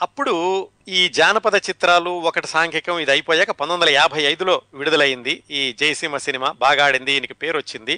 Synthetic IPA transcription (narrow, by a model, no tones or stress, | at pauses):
ɐpːuɽu | iːd͡ʒaːnɐpɐd̪ɐt͡ʃit̪ɾaːluɔkɐʈi̥saːŋkʰikɐmid̪iɐjpoːjaːkɐpɐnd̪ond̪ɐlɐjaːbʱɐjɐjd̪ulo̞ːʋiɽud̪ɐlɐjind̪iiːd͡ʒɐjɐsimɐsinimaːbaːɡaːɽind̪iiːnikipe̞ːɾʋot͡ʃːind̪i